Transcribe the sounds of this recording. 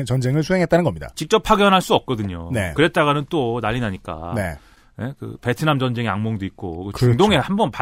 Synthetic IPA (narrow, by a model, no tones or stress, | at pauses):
t͡ɕʌnd͡ʑeŋɯɭsʰuɦeŋɦet͈anɯnɡʌmɲida̰t͡ɕik̚t͡ɕ͈ʌpʰaɡjʌnɦaɭs͈uʌp̚k͈ʌdɯɲonekɯɾe̞t̚t͈aɣanɯnt͈onaʎːinaɲik͈a̰ne | nekɯ̰pe̞tʰɯnamd͡ʑʌnd͡ʑe̞ŋeaŋmoŋdoik̚k͈o̰kɯt͡ɕuŋdoŋe̞hambʌnpa